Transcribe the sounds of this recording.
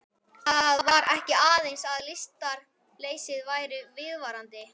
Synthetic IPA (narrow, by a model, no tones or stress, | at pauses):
θaðaðvaɾʔɛhcɪaːðejnsaðlɪst̪aɾ | leːjsɪðvaːjɾʏvɪðvaːɾant̪ɪ